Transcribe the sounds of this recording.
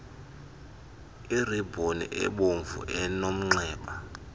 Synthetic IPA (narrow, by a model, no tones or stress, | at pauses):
iribʱonḭʔɛ̰ɓoɱvṵʔɛnom̩ŋ͡ǀɛːɓa